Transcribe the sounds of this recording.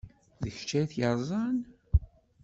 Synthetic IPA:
ðəçt͡ʃːæjθjəɾˤzˤɑn

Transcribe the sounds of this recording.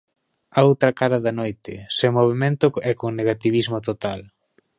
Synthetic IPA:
aowt̪ɾɐkaɾɐðɐnojt̪ɪsemoβ̞emẽnt̪ʊɛkoŋneɣ̞at̪iβ̞izmot̪ot̪al

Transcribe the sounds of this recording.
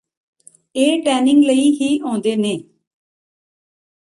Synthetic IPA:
eːʈɛːnɪ̃ŋɡləiːɦiːõːnd̪eːneː

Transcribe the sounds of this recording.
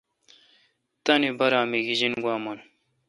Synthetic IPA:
t̪ɐnibɐɾaːmiɡiʑinɡwaːmɐn

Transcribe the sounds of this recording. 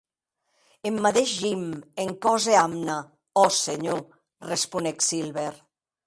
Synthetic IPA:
emːat̪eʃʎimeŋkɔzeamna | ɔseɲo | respuneksilβeɾ

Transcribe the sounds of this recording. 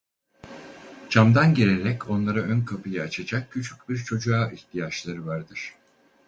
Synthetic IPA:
t͡ʃʰamd̪anɟeɾeɾɛcʰo̞nlˠaɾaʔønkʰapʰɯjaːt͡ʃʰad͡ʒak̚cʰːyt͡ʃʰycʲbiɾt͡ʃʰo̞d͡ʒuaːʔiht̪ʰijat͡ʃlˠaɾɯvaɾd̪ɯɾ̥

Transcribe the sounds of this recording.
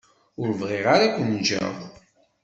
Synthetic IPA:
ʊɾvʁeʁaɾakʷːənʒæ̰ðˤ

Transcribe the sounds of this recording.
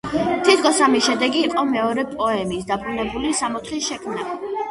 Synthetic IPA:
t̪ʰit̪ʰɡʰɔsamiʃɛd̪ɛɡiqʼɔmɛɔɾɛpʼɔɛmiːs̬d̪abɾunɛbulisamɔt̪ʰlisʃɛkʰmna

